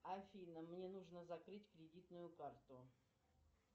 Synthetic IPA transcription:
ɐfʲinəmnʲenuʐnəzɐkɾɨtʲkɾʲɪdʲit̪nʊjʊkart̪ʊ

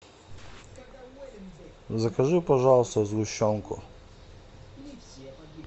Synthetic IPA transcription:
zakaʐɨpɔʐawst̪ɔzɡʊɕɔŋkʊ̰

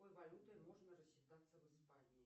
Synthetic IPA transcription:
ojvɐlʲut̪əjmo̞ʐnəɾəsʲɕːɪt̪at̪səvɨspanʲɪɪ

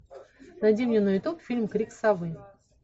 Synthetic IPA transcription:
nɐdʲemnʲɪnoɪt̪okfʲilʲmkɾʲiksɐvɨ

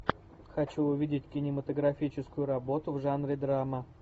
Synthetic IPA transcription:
xɐt͡ɕuʊvʲidʲɪtʲkʲɪnʲɪmət̪əɡɾɐfʲit͡ɕɪskʊjʊɾɐbo̞t̪ʊvʐanɾʲɪd̪ɾamə

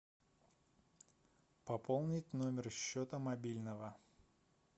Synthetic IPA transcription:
pɐpolˠnʲɪtʲnomʲɪrɕːot̪əmɐbʲilʲnəvə

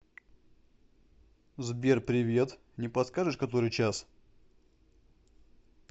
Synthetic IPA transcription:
zbʲe̞rpɾʲɪvʲe̞t̪ | nʲɪpɐt̪skaʐɨʂkɐt̪o̞ɾɨjt͡ɕas

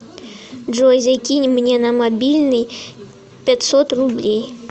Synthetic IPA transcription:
ʐojzʲakʲinʲmnʲenəmɐbʲilʲnɨj | pʲɛtʲsot̪rʊblʲej

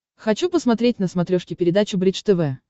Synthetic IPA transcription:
xɐt͡ɕupəsmɐt̪ɾʲetʲnəsmɐt̪ɾʲoʂkʲɪpʲɪɾʲɪd̪at͡ɕʊbɾʲit͡ʃt̪ɛvɛ

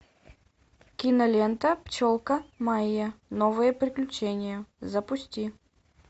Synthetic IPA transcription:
kʲinɐlʲent̪əpt͡ɕolˠkəmajːənovɨjəpɾʲɪklʲʊt͡ɕenʲɪjəzɐpʊsʲtʲi

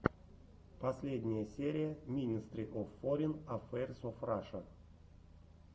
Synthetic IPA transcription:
pɐsʲlʲedʲnʲɪjəsʲeɾʲɪjəmʲinʲist̪ɾʲiʔofːoɾʲinafɛrʲsofraʂə

